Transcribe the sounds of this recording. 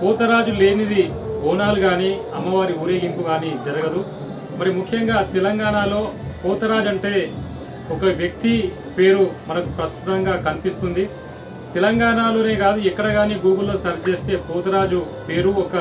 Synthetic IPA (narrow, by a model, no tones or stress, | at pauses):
pɔːt̪ɐɾaːd͡ʒule̞ːnid̪i | ɔːnaːluɡaːniː | ɐmːɐʋaːɾiuːɾe̞ːɡimpuɡaːnid͡ʒɐɾɐɡɐd̪u | mɐɾimukʰjɐŋɡaːt̪ɛlɐŋɡaːɳaːlo̞ːpɔːt̪ɐɾaːd͡ʒɐɳʈe̞ː | ɔkɐʋjɐk̚t̪i | pe̞ːɾumɐnɐkupɾɐst̪ut̪ɐŋɡaːkɐnipist̪und̪i | t̪ɛlɐŋɡaːɳaːlo̞ːne̞ːɡaːd̪uɛkːɐɽɐɡaːniːɡuːɡɐlːo̞ːsɐɾt͡ʃe̞ːst̪e̞ːpuːt̪ɐɾaːd͡ʒu | pe̞ːɾuɔkɐ